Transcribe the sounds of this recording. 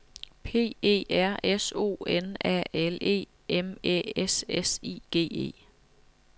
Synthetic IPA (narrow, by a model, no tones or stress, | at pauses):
pʰe̝̰ːe̝̰ːæɐ̰eso̝̰ːenæ̰ːele̝̰ː | emḛːesesḭːɡ̥e̝̰ːe̝̰ː